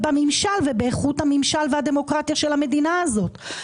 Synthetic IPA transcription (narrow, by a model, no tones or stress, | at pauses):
bamimʃalvebeːχutamimʃalvehade̞mo̞kʁat̪jaʃe̞lame̞dinaːzo̞t